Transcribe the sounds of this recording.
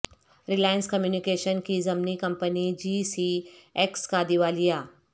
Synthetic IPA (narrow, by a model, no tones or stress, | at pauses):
ɾɪlaːjə̃nskɐmjuːnikeːʃənkizɐmnikɐmpənid͡ʒiːsiekskad̪iʋaːlijaː